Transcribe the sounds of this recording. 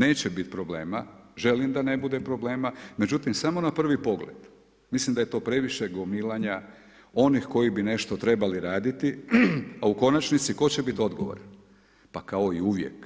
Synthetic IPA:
ne̞ːt͡ɕebit̪pɾo̞ble̞ːmaʒe̞limd̪ane̞bud̪epɾo̞ble̞ːmame̞d͡ʑut̪imsamo̞napr̩ʋipo̞ɡlḛd̪̥ | mislimd̪aje̞t̪o̞ːpɾe̞ʋiʃe̞ɡomilaɲa | o̞nixko̞jibine̞ʃt̪o̞t̪ɾe̞baliɾaːd̪it̪iauko̞nat͡ʃnit̪siko̞t͡ɕe̞bit̪o̞d̪ɡoʋo̰ɾan | pakao̞iuʋjḛk

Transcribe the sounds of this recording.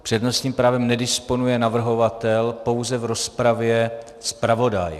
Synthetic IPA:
pr̥ɛdno̞st̪ɲiːmpɾaːvɛmnɛdɪspo̞nujɛnavr̩ɦo̞vat̪ɛlpo̞wzɛvɾo̞spɾavjɛ | spɾavo̞daj

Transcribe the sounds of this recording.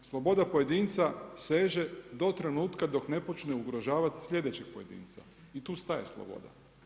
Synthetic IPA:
slˠo̞bo̞d̪apoje̞d̪iːnt̪sase̞ːʒe̞d̪o̞t̪ɾe̞nuːt̪kad̪o̞kne̞po̞t͡ʃneuɡɾo̞ʒaːʋat̪i̥sʎʲe̞d̪et͡ɕeɡ̥̚po̞je̞d̪ḭːnt̪sa̰ | it̪uːst̪aje̞̰slˠo̰bo̞̰d̪a̰

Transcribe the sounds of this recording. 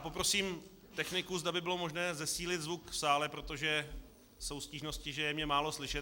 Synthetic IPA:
po̞pɾo̞siːm | t̪ɛxnɪkuzd̪abɪbɪlo̞mo̞ʒnɛːzɛsiːlɪt̪zvukfsaːlɛpɾo̞t̪o̞ʒɛ | so̞wsciːʒno̞scɪʒɛjɛmɲɛmaːlo̞slɪʃɛt̪

